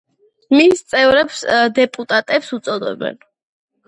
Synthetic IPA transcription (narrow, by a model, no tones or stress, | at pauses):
mist̪sʼɛvɾɛpsd̪ɛpʼut̪ʼat̪ʼɛpsut̪sʼɔd̪ɛ̰bɛ̰n